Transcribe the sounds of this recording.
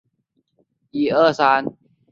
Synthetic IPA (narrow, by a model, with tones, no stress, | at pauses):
ʔiː˧ʔɤː˥˩saː˧˦n